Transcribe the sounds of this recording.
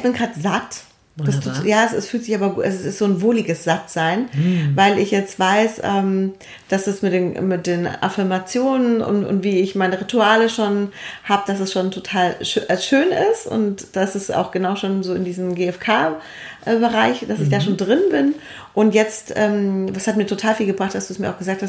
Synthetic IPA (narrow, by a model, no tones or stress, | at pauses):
ɪçb̥ɪnɡʁaːtz̥at | d̥astʰojaːɛsɛsfyːltz̥ɪçaːbɐɡuːʔɛssɪstz̥oːnvolɪɡəsz̥atz̥aɪnvaɪlɪçjɛt͡stv̥aɪsʔɛːm | d̥asd̥asmɪt̚d̥eːnmɪt̚d̥eːnʔa̰fɪɐmat͡sjoːnənʊ̰ntʊ̰ntv̥iːɪçmaɪnəʁituaːləʃoːnhaːbəd̥asɛsʃoːntʰotʰaːlʃʔɛsʃøːnɪstʊ̰ntd̥asɛsa̰ʊxɡ̥ənaʊʃoːnzoːɪndiːzm̩ɡeːɛfkʰaː | ʔɛbəʁaɪçd̥asɪçd̥aːʃoːndʁɪnbɪn | ʔʊntjɛt͡stʔɛːmd̥ashat̚miːɐtʰotʰaːlfiːlɡəbʁaχt̚d̥asd̥uːɛsmiːɐaʊɡəzaːk̚tʰhast